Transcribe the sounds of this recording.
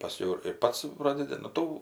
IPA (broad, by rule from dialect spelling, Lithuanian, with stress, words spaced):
pɐˈsʲkʲɛʊ ɪr ɪr ˈpɐts ˈproːdʲɛdʲɪ nʊ ˈtuː